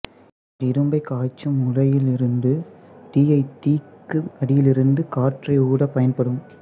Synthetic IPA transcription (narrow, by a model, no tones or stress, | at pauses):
ɪɾɯmbɐɪkaːt͡ʃːɯmʊɻɐjɪlɪɾɯnd̪ɯʈiːɐɪt̪iːkːɯɐɽɪjɪlɪɾɯnd̪ɯkaːʈrɐɪuːɽɐpːɐjɐnpɐɽɯm